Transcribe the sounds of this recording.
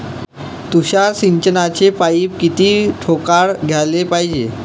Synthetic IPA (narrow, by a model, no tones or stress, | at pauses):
t̪uɕasiɲt͡ɕənat͡ɕepaiːp̚kit̪iːʈʰokaɽɡʱjalepajd͡ʑe